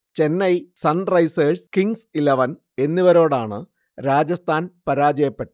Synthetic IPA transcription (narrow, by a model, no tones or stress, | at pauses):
t͡ɕe̞nːɐjsɐnrɐjseːskiŋsilɐʋɐn | e̞nːiʋɐɾo̞ːɽaːɳɨ | ɾaːd͡ʑɐst̪ʰaːnpɐɾaːd͡ʑɐjɐpːe̞ʈːɨ